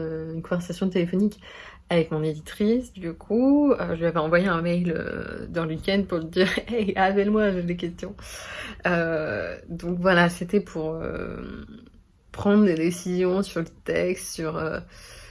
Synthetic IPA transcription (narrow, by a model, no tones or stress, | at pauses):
øynkɔ̃vɛʁsasjɔ̃t̪elefɔnik | avɛkmɔ̃ned̪it̪χisd̪ykʰuø̰ʒəeavɛɑ̃vwajeɛ̃mɛjlø̰d̪ɑ̃ləwikʲɛ̃nd̪̚puʁləd̪iʁɛavɛlmwaʒed̪ek̬ʲɛst̪jɔ̃ | ø | d̪ɔ̃kvwalaset̪ɛpʰuʁø̰ | pχɑ̃d̪ʁd̪ed̪esizjɔ̃syʁlət̪ɛkst̪syʁø̰